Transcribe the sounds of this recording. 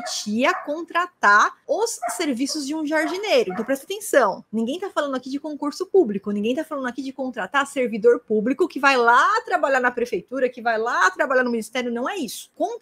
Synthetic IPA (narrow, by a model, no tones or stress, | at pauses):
t͡ʃiɐkõnt̪ɾat̪aɾʊsːeɾvisʊzd͡ʒɪũʒaɾd͡ʒinejɾʊẽt̪ɐ̃w̃pɾɛst̪at̪ẽsɐ̃w̃nĩɡẽj̃t̪afalɐ̃nd̪ʊakid͡ʒɪkõkuɾsʊpublikʊnĩŋɡẽj̃t̪afalɐ̃nd̪ʊakid͡ʒɪkõnt̪ɾat̪aseɾvid̪oɾpublikʊkɪvajlat̪ɾabaʎanɐpɾefejt̪uɾɐkɪvajlat̪ɾabaʎaɾnʊminist̪ɛɾjʊnɐ̃w̃ɛisʊ̥kõt̪